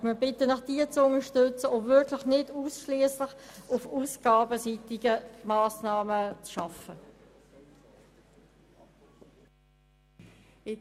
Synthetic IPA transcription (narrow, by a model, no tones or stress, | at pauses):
miːbɪtənɑχd̥iːt͡sʊnəʃtʏt͡səʊvɪɹkʰlɪχnɪduːsʃliəslɪχʊfuːsɡ̥ɑːbəsitɪɡəmaːsnɑːmət͡sʃɑfə